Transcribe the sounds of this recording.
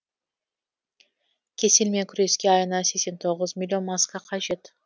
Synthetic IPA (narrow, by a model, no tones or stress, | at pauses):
kʲʰe̞sɪlmekʲʰʊɾeskʲeɑjənɑsekʲse̞nt̪ʰo̞ʁəzmʲɪlʲːo̞nmɑskɑqʰɑʒe̞t̪